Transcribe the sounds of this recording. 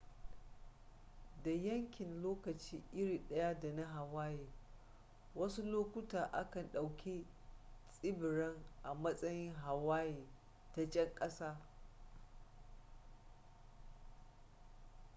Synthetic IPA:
da˨jɐ˦ŋkʲɪ˨nloː˦kɐ˨t͡ʃiː˦ʔɪ˦ɽiː˨ɗɐ˦ja˦da˨na˦ɦa˨waː˦jeː˨ | wɐ˦su˦loː˦kʷʊ˦taː˨ʔa˦kɐ˨nɗa˨wkʲi˦ | sʼɪ˦bɪ˨ɽɐ˦ŋʔa˨mɐ˦sʼɐ˦jɪ˦ŋɦa˨waː˦jeː˨ | ta˦t͡ʃʼɛ˦ŋkʼɐ˦saː˦

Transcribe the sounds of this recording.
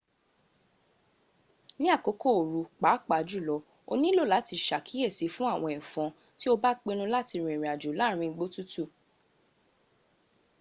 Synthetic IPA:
nĩ˦a˦˨ko˨˦ko˦˨o˨ɾu˨k͡pa˨˦k͡pa˨d͡ʒu˦˨lɔ˨˦ | o̰˧nĩ˦lo˦˨la˨˦ti˧ʃa˨kʰi˨˦e˦˨si˨˦fũ˦a˦˨w̃ɔ̃˧˨ĩ˨fɔ̃˨˧ | ti˦o˦ba˦k͡pe˧ñũ˧la˦ti˧ɾ̃ĩ˨ɾĩ˨a˨d͡ʒu˨la˨˦˨ɾ̃ĩ˧ɡ͡bo˦tu˦tu˦˨

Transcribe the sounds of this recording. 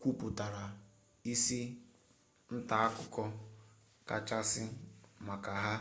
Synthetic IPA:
kʷu˦pʊ˨ta˨ɾa˨ | i˦si˦ | n̩˦ta˨a˦kʊ˦kɔ˦ | ka˨t͡ʃa˦sɪ˦ma˨ka˨ɦa˦

